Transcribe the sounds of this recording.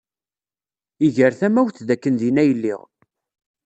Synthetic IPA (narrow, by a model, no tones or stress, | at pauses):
iʝəɾθæmæwθðækːənðinæjəlːḭʁ